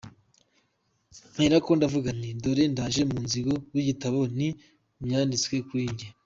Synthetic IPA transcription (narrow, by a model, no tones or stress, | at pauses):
m̥eɾako̞ndavuɡanindoɾendaːʒe̞munziɡowiɟitaβo̞ni | mɲaːndit͡swe̞kwiːɲɟe